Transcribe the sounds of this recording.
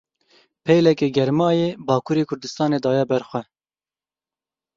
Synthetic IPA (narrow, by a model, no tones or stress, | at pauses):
pʰɛjlɛkeːɡɛɾmɑːjeːbɑːkʰuːɾeːkʰʊɾd̪ɨst̪ɑːneːd̪ɑːjɛbɛɾxʷɛ